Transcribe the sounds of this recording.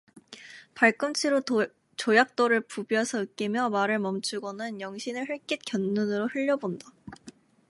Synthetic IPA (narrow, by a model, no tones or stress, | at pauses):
paɭk͈ɯmt͡ɕʰiɾo | t͡ɕojak̚t͈oɾɯɭpubjasʰʌɯk͈imjʌmaɾɯɭmʌmt͡ɕʰuɡʌnɯnjʌŋɕʰinɯɭɦɯɭk͈it̚kjʌnːunɯɾohɯʎːʌbonda